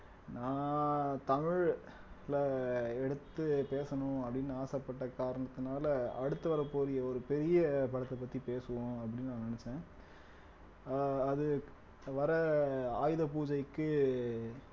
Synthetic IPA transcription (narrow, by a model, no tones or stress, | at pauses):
nãːt̪ɐmɪɻ | lɐɛɽɯt̪ːɯpeːsɐnʊ̃ɐpːɐɽɪnːaːsɐpːɐʈːɐkaːɾɐɳɐt̪ːɯnaːlɐɐɽɯt̪ːɯʋɐɾɐpoːɾɪjɐɔɾɯpɛɾɪjɐpɐɽɐt̪ːɐpːɐt̪ːipeːsɯʋõɐpːɐɽɪnːnãːnɪnɛt͡ʃːẽː | ðɯ | ʋɐɾɐaːjðɐpuːd͡ʒɐɪkːɯ